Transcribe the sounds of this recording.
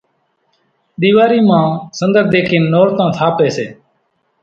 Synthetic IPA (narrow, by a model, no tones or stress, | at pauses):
ɗ̪iːʋaːɾiːmãːsənd̪əɾd̪eːkʰiːnːoːɾt̪ãːt̪ʰaːpeːseː